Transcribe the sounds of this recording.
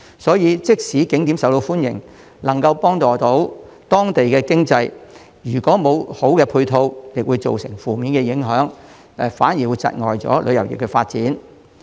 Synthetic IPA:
sɔː˨˥jiː˨˧t͡sɪ˥k̚siː˨˥kɪ˨˥ŋt̪iː˨˥msɐ˨˥wt̪o˧wfuː˥njɪ̰˨˩ŋ | lɐ˨˩ŋkɐ˧wpɔː˥ŋt̪ɔː˨t̪o˨˥w | t̪ɔː˥ŋt̪e˨jkɛː˧kɪ˥ŋt͡sɐ˧j | jyː˨˩kɔː˨˥mo˨˧who˨˥wkɛː˧pʰuː˧jt̪ʰo˧wjɪ˨k̚wu˨˧jt͡so̰˨wsɪ˨˩ŋfuː˨miː˨˧nkɛː˧jɪ˨˥ŋɦœː˨˥ŋ | ɛ˨˧fa̰ː˨˥njiː˨˩wu˨˧jt͡sɐ̰˧t̚ŋɔ̰ː˨jt͡sɔ̰ː˨˥lʔɵ˨˧jɐ˨˩wjɪ̰˨˩kːɛ˧faː˧t̚t͡siː˨˥n

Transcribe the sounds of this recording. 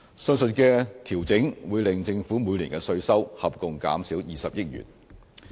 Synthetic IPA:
sœː˥ŋsɵ˧t̚kɛː˧t̪ʰiː˨˩wt͡sɪ˨˥ŋwuː˨˧jlɪ˨ŋt͡sɪ˧ŋfuː˨˥muː˨˧jliː˨˩nkɛ˧sɵ˧ɥsɐ˥whɐ˨p̚kʊ˨ŋka̰ː˨˥msiː˨˥wjiː˨sɐ˨p̚jɪ˥t̚jy̰˨˩n

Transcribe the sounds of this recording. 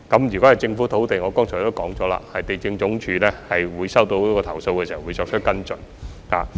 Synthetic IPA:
kɐ˨˥mjy˨kɔ˨˥hɐ˨˩jt͡sɪ˧ŋfu˨˥t̪ʰo˨˥wt̪e˨jŋɔː˨˧kɔː˥ŋt͡sʰːt̪o˥wkɔː˨˥ŋt͡sɔː˨˥la̰ː˧hɐ˨jt̪e˨jt͡sɪ˧ŋt͡sʊ˨˥ŋt͡ʃʰyː˨˧lɛː˥hɐ˨jwuː˨˧jsɐ˥wt̪o˧wkɔː˧t̪ʰɐ˨˩wso˧wkɛ˧si˨hɐ˨˩wu˨˧jt͡sɔː˧k̚t͡ʃʰɵ˥t̚kɐ˥nt͡sɵ˨˩n | ha̰ː˨

